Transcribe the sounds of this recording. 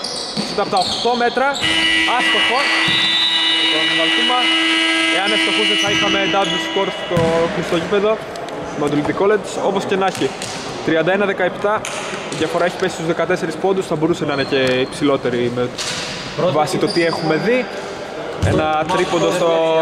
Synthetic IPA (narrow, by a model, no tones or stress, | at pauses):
sit̪ɐpot̪ɐokt̪o̞me̞t̪ɾɐɐst̪oxo | et̪oɐvɐlt̪umɐ | e̞ɐnest̪o̞xusesɐixɐmed̪ɐd̪usko̞ɾt̪t̪oxɾist̪ocipe̞ðo̞ | mɐd̪ulid̪iko̞le̞d͡ʒso̞po̞sce̞nɐçi | t̪ɾiɐnd̪ɐe̞nɐðekɐe̞pt̪ɐ | iðʝɐfo̞ɾɐeçi̥pe̞si̥st̪uzðe̞kɐt̪e̞se̞ɾispo̞nd̪usθɐbo̞ɾuse̞nɐinece̞ipsilo̞t̪e̞ɾime | vɐsit̪o̞t̪iexume̞ði | nɐt̪ɾipond̪ɐst̪o